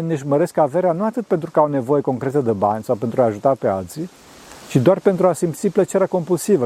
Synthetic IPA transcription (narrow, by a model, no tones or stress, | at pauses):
neʒməɾe̞skaveɾeanuat̪ɨt̪̚pe̞nt̪ɾukəawne̞vo̞je̞ko̞ŋkɾe̞t̪əd̪ebanʲsawpe̞nt̪ɾuaːʒut̪ape̞alt̪si | t͡ʃid̪oarpe̞nt̪ɾuasimt̪siplət͡ʃeɾeako̞mpulsivə